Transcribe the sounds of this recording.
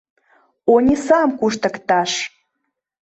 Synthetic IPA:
onʲisɑmkuʃt̪ə̆kt̪ɑʃ

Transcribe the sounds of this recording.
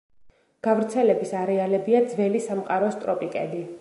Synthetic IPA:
ɡ̥avɾt̪sʰɛlɛbisaɾɛalɛbiad̪zvɛlisamqʼaɾɔst̪ʼɾɔpʼikʼɛ̰d̪i

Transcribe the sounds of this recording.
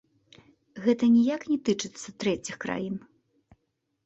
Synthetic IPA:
ɣɛt̪ɐnʲijaknʲɛt̪ɨt͡ʂɨt̪sːɐt̪ɾɛt͡sʲixkɾa̰jin

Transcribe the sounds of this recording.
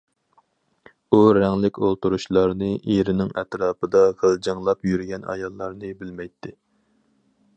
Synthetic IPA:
uɾɛŋlɪkʲolˠt̪uɾuʃlˠɑɾnɨʔeɾɪnɪŋɛ̰t̪ɾɑːpɨd̪ɑʁʰəlˠd͡ʒɨŋlˠɑpjyɾɪɡʲɛnɑ̰jɑlˠːɑɾnɨbɪlmɛjt̪ʰːɪ

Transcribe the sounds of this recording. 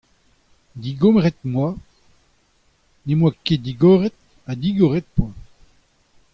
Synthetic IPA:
d̪iɡɔmʁɛt̪̚mwa | nemwaked̪iɡɔʁɛt̪̚ | ad̪iɡɔʁɛt̪̚pwã

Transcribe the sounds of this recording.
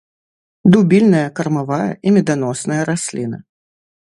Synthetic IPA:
d̪ubʲilʲnɐjɐkɐrmavajɐ̰ʔimʲɛd̪anɔsnɐjɐɾasʲlʲinɐ

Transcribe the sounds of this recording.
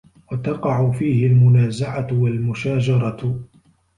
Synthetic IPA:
wat̪ɑqɑʕʊfiːhɪlmʊnaːzaʕat̪walmʊʃaːd͡ʒɑɾˤɑ

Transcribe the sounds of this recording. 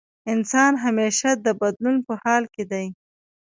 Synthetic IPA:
ɪnsɑnɦameʃad̪əbad̪lunpəhɑlked̪aj

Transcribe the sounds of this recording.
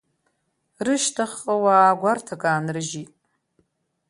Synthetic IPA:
rɨʃtʰaχqʼəwaɡʷartʰakʼaːnrɨʒitʼ

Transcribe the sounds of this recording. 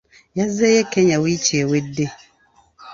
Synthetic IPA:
jazɛjɛkʰɛɲãwit͡ʃiɛwede

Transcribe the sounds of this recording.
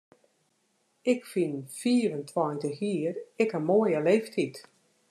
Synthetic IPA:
ɪkfinfiːəɾəntʰwɔjntəxjiərɪkəmoəjəlefthit

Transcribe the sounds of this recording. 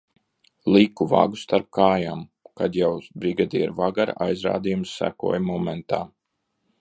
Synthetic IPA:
lˠikuva̰ɡust̪aɾp̚kaːjaːmkad̪jawbɾiɡad̪iːɾvaɡaɾa̰jzɾa̰ːd̪ijumsːæ̰kṵɔːjmɔmɛnt̪a̰ː

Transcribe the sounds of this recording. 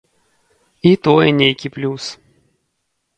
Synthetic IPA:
it̪ɔjɛnʲejkʲiplʲus

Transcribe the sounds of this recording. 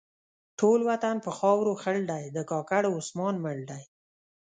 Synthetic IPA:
ʈʰolwat̪anpəxɑwɾoxəɽɖajd̪əkɑkaɽʊsmɑnməɽɖaj

